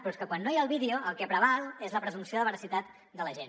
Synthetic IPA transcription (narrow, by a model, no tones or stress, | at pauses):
pɾɔskəkwanːojaəlˠβiðioʔəlˠkɛpɾəβalˠezləpɾəzunsioðəβəɾəsit̪at̪ | d̪ələʒen